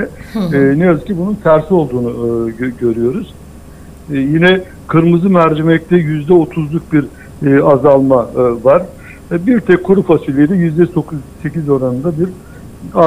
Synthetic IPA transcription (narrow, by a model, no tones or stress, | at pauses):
ɛnejazɯcʰibununt̪ʰæɾsio̞lˠd̪uːnuɟø̞ɾyjo̞ɾuz̥ | jinɛ | kʰɯɾmɯzɯmæɾd͡ʒɛmɛc̚t̪ʰɛjyzd̪ɛo̞t̪ʰuzlˠuk̚biɾ | azalˠmavaɾ̥ | biɾt̪ʰɛkʰːuɾufasilʲːijd̪ɛjyzd̪ɛso̞kʰuzse̞cizo̞ɾanɯnd̪ad̪iɾ | a